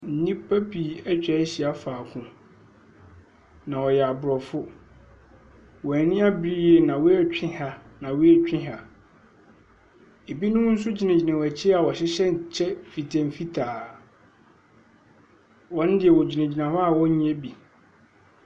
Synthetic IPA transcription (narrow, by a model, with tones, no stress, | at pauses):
n̩˦nĩ˦pʰa˦pi˨æ˦t͡ɕᶣɛ˨˦ɕi˨a˨faː˨kʰʊ̃˦ | nã˨ɔ˨jɛ˨a˨bʊ˨ɾɔ˨fʊ˦ | wɔ˨æ˨nɪ̃˦a˦bɾi˦je˨nã˨wʊ˦ɛ˦t͡ɕᶣɪ̃˦ha˦nã˨wʊ˦ɛ˦t͡ɕᶣɪ̃˦ɦa˨ | e˨bi˦nʊ̃˦n̩˦s̬ʊ˦d͡ʑi˨nɪ̃˨d͡ʑi˨nã˨wæ˨t͡ɕʰɪ˦a˨wɔ˨ɕɪ˦ɕɛ˦n̩˨t͡ɕʰɛ˦fi˨tʰɛ˨m̩˨fi˦tʰaː˨ | wɔ̃˦n˦dɪ˨ɛ˨wɔ˨d͡ʑi˨nã˨d͡ʑi˨nã˨hɔ˦a˨wɔ̃˦ɲ̃˦ɛ˦bi˨